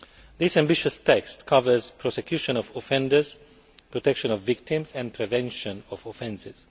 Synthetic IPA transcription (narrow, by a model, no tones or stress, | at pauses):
ðɪsæ̃mbɪʃəstʰɛkstkʰʌvə˞zpʰɾɔsɛkʰjuʃə̃nɔvɔfɛ̃ndəz̥ | pɹɔtɛkʃə̃nɔvːɪk̚tɪ̃mzɛ̃npʰɾɛvɛ̃nʃə̃nɔvofɛ̃nsɪz̥